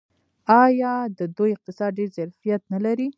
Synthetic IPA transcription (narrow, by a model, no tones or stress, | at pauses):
ɑjɑd̪əd̪ojɪq̚t̪ɪsɑd̪̚ɖeɾzaɾfijat̪nalaɾi